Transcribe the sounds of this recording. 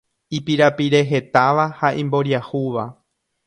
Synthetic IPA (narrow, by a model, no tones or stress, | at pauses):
ipiɾapiɾe̞ɦe̞t̪aʋahaʔĩmbo̞ɾjahuʋa